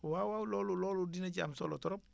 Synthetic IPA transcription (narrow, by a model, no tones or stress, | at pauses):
wawawuloːluloludinaɟa̰msolo̰tɔɾop